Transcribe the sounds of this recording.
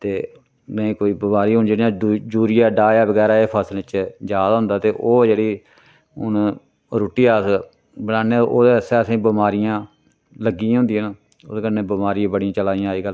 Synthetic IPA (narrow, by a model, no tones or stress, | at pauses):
t̪eː | nəĩːkoːiːbəmaːɾiːɦʊnd͡ʒeːɽijãd͡ʒuːɾɪjaːɖaːjaːbəɡɛːɾaːeːpʰəslɪt͡ʃd͡ʒaːd̪aːɦʊ̃nd̪aːt̪eːʔoːd͡ʒeːɽiː | ʊn | ɾuːʈːiːaːs | bənaːneːʔoːd̪eːəsɛːəsĩːbɪmaːɾɪjãː | ləɡiãɦʊ̃nd̪iːn | ʊskəneːbəmaːɾijãːbəɽijãːt͡ʃəlaːɪjãːiːɡəl